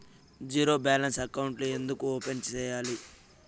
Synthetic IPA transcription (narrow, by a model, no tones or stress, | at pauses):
d͡ʒiːɾo̞ːbaːlɐnsɐkɐwuɳʈluend̪ukuoːpe̞nt͡ʃɛːjaːli